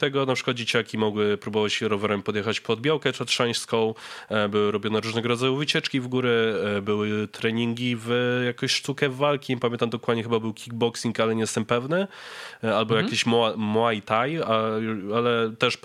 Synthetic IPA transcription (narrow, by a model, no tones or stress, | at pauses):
t̪ɛɡɔnapʂɘ̥kwad̪̚d͡ʑet͡ɕakʲimɔɡwɘpɾubɔvawɕɛɾɔvɛɾɛmpɔd̪jɛxat͡ɕpɔd̪̚bʲjawkɛt͡ʂt̪ʂɛ̃j̃ɕskɔ̃w̃bɘwɘɾɔbʲjɔnɛɾuʐnɛɡɔɾɔd̪zajuvɘt͡ɕɛt͡ʂkʲivɡuɾɛbɘwɘt̪ɾɛɲiŋɡʲivjakɔ̃ɕʂt̪ukɛvːalkʲipamʲɛnt̪amd̪ɔkwad̪ɲɛxɘbabɘwkʲiɡ̚bɔksʲiŋkalɛɲɛst̪ɛmpɛvnɛ | albɔjakkʲeɕmamɔajt̪ajaalɛt̪ɛʂ